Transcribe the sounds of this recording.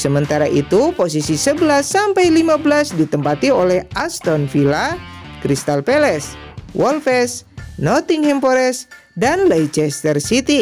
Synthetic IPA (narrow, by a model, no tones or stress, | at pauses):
səmənt̪aɾaʔit̪upos̬isisəbəlasːampajlimabəlasdit̪əmpat̪iolɛhʔast̪ɔnfilakɾist̪alpɛlɛswʔɔlfɛsnɔt̪iŋhɛmpoɾɛs | danlɛjt͡ʃɛst̪ərsit̪i